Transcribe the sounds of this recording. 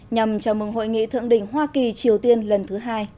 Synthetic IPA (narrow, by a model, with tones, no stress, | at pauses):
ɲa˨˩mt͡ɕaː˨˧˩mɨ˨˩ŋɦo̰˧˨jŋḭ˧˨t̪ʰɨ̰˧˨əŋɗï˧˩ŋ̟ɦwaː˧ki˨˩t͡ɕi˨˩əwt̪i˧ənlə˨˩nt̪ʰɨ˨˦ɦaː˧j